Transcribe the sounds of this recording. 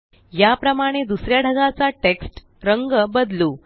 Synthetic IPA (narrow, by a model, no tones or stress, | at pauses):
japɾəmaɽ̃ed̪usɾjaɽʱəɡat͡saʈeksʈ | ɾəŋɡəbəd̪luː